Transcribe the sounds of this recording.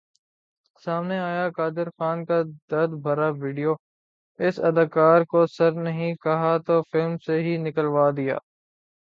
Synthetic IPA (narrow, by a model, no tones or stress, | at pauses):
saːmneaːjakaːd̪ɪɾxaːnkad̪ɐɾd̪bʱɐɾaʋiːɖijoː | ɪsɐd̪aːkaːɾkosɐɾnɐɦĩkɐɦat̪oːfɪlmseɦinɪkəlʋaːd̪ija̰ː